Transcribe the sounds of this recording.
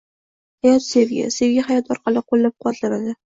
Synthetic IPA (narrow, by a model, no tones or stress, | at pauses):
hajɒt̪se̞vɡʲa̰se̞vɡʲahajɒt̪ʰɒɾqʰɑlɪqʰolˠːap̚qʰʊwat̪ʰlanad̪ɪ